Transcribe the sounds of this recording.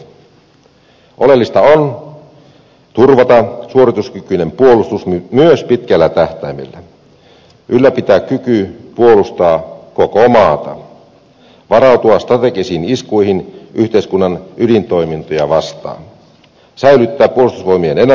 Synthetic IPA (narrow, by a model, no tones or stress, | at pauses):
ʔolelːist̪ɑon | t̪urʋɑt̪ɑsuo̞ɾit̪uskykyne̞mpuolust̪usmmyøspit̪kælːæt̪æht̪æimḭlːæ | ʔylːæpit̪æːkkykypuolust̪ɑːkokomɑːt̪ɑ | ʋɑrɑut̪uɑst̪rɑt̪ekisiːniskuihinʔyht̪eiskunːɑnydint̪o̞jmint̪ojɑʋɑst̪ɑ̰ːn | sæilyt̪ːæːpːuolust̪usʋo̞jmienene